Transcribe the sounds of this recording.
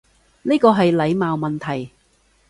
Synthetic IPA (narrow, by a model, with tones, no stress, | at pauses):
niː˥kɔː˧ɦɐ˨jlɐ˨˧jmaː˨wmɐ˨˩nt̪ʰɐ˨˩j